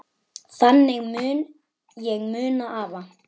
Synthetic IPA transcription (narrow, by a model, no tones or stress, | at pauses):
θanːɛɣmʏːn | jɛɣmʏːnaʔaːva